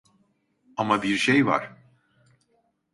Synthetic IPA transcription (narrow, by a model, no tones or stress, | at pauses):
amabiɾʃejva̰ɾ̥